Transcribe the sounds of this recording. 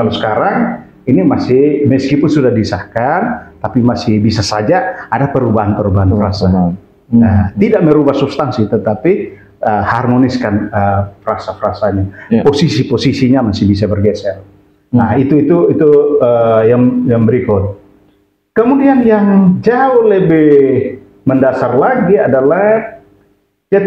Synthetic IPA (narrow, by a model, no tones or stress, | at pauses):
alosə̥kaɾaŋ | inimasɪhməskipʊnsudahdisahkant̪apimasɪhbisasad͡ʒaadapəɾubaɦanpəɾubaɦanfɾasa | ət̪idaʔməɾubahsubst̪ansit̪ət̪api | ʔəharmoniskanəfɾasafɾasaɲaposisiposisiɲamasɪhbis̬abərɡesɛl | nait̪uit̪uit̪uəjaŋjaŋbəɾikʊt̪̚ | kəmudianjaŋd͡ʒaʊhləbeh | məndasarlaɡiadalahh | d͡ʒa